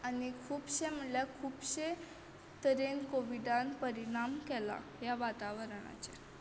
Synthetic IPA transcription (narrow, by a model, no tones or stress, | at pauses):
anikʰuːbɕem̤əɳljakʰuːpɕe | t̪əɾenkoʋiɖanpəɾiɽ̃amkɛla̰jaʋat̪aʋəɾɳa̰t͡ɕe